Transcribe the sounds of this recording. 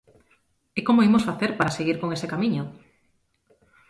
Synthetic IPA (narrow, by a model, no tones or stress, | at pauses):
ekomoimosfaθeɾpaɾaseɣiɾkoŋesekamiɲo